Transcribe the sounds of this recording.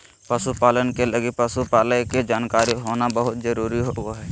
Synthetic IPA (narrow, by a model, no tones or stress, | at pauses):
pəsupaːlənkeləɡipəsupaːləjked͡ʒaːnkaːɾiɦoːnabəɦʊt̪d͡ʒəɾuːɾiɦooɦɛː